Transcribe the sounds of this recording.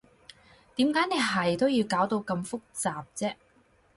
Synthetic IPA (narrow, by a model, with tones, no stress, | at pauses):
t̪iː˨˥mkaː˨˥jne˨˧jɦɐ˨jt̪o˥wjiː˧wkaː˨˥wt̪o˧wkɐ˧mfʊ˥k̚t͡saː˨p̚t͡sɛː˥